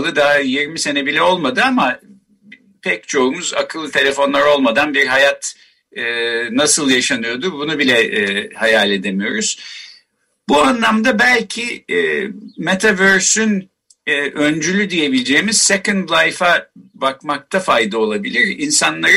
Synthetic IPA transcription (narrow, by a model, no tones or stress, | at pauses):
lˠɯd̪aɦajiɾmise̞nɛbilʲɛo̞lˠmad̪ɯama | pʰɛc̚t͡ʃʰo̞umuza̰kʰɯlˠɯt̪ʰe̞lʲe̞fo̞nlˠaɾo̞lˠmad̪anbiɾɦajat̪ː | nasɯlˠjaʃanɯjo̞d̪ubunubilʲɛhajaːlʲe̞d̪e̞mijo̞ɾuz̥ | buanlˠamd̪abælʲcʰi | met̪ʰavøɾsynː | ʔønd͡ʒylʲyd̪ije̞bilʲd͡ʒe̞ːmiz̥sɛkɯnd̪lˠajfabakmak̚t̪ʰafajd̪ao̞lˠabilʲiɾinsanlˠaɾ